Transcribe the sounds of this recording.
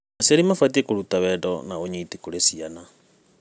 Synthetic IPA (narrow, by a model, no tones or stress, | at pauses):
aseɾimafat̬iekoɾutawɛdɔnaoɲiːtikoɾesiana